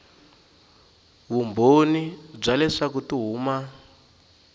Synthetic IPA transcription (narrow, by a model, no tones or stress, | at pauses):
βumbonib͡ʐalɛʂakutuɦuːma